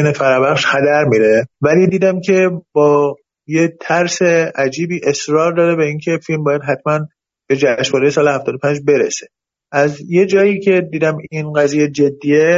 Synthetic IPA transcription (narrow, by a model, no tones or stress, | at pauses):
nefæɾɒːbæχʃxæd̪æɾmiːɾevæliːd̪iːd̪æmcʰe̞bɒː | jet̪ʰæɾse̞æd͡ʒiːbiːʔe̞sɾɒːɾd̪ɒːɾebeiːncʰe̞filmbɒːjæd̪ɦæt̪ʰmæn | b̥e̞d͡ʒæʃvɒːɾejesɒːlehæft̪ɒːd̪opʰænd͡ʒbe̞ɾḛse̥ | ʔæzje̞d͡ʒɒːjiːcʰe̞d̪iːd̪æmiːnɢæziːjed͡ʒe̞d̪ːiːje